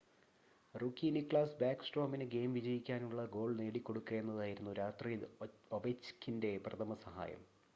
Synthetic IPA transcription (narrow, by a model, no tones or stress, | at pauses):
rukːiːnikɭaːsbjaːksʈro̞ːminɨɡe̞ːmʋid͡ʑɐjikʲːaːnuɭːɐɡo̞ːɭne̞ːɽikʲːo̞ɽukːɐenːɐðaːjiɾunːuɾaːt̪rioʋet͡ɕːkʰːinde̞prɐt̪ʰɐmɐsɐɦa̰ːjɐ̰m